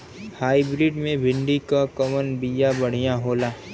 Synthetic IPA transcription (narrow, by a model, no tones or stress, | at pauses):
haːibɾɪːɖmẽbʱɪɳɖikakɐʋənbijabɐɽ̤ijãɦoːlaː